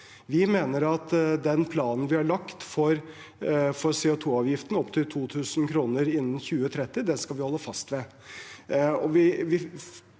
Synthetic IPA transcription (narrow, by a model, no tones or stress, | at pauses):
ʋɪmeːnəɾɑt̪d̪ɛnpʰlɑːnn̩ʋɪhɑɭɑkt̪fɔɾ | fɔɾsɛʊt̪ʰuːɑːʋjɪft̪ən̩ɔpt̪ʰɪlt̪ʰuːt̪ʰʉːsn̩kʰɾuːnəɾɪnːənçʉːət̪ʰɾɛt̪ːɪd̪ɛskɑlʋɪhɔlːəfɑst̪ʋɛ | ɔʋɪʋɪ